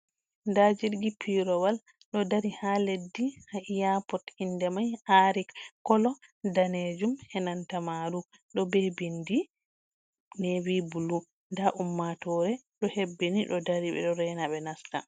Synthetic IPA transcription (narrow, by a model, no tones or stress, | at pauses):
ndad͡ʒiɾɡipʰiɾɔwal | ɗɔdaɾihaledːihaʔijapɔtindɛmajaɾikkːɔlɔdaned͡ʒumhɛnantamaɾu | ɗɔbebindi | newibulu | ndaʔumːatɔɾɛ | ɗɔhebːiniɗɔdaɾiɓɛ̰ɗɔɾɛnaɓɛnasta̰